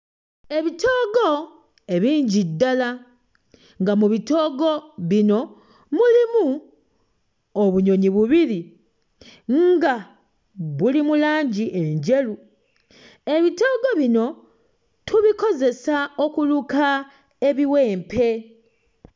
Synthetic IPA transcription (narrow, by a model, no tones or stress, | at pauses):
e̞βito̞ːɡo̞ | e̞βiːɲɟidːala | ŋɡamuβito̞ːɡo̞βino̞ | mulimu | oβuɲo̞ɲiβuβili | ŋɡa | βulimulaːɲɟiʔeɲɟe̞lu | e̞βito̞ːɡo̞βino̞ | tʰuβiko̞ze̞sao̞kuluka | e̞βiwe̞ːmpe̞